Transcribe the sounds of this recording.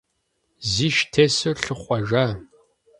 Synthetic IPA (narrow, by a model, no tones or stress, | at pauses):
ziːʃtʰesɨɬɨχʷɐʒaː